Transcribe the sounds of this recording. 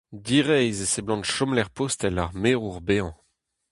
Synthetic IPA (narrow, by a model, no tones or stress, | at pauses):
d̪iʁɛjzeseblɑ̃nʃɔmlɛʁpost̪ɛlaʁmeʁuʁbeɑ̃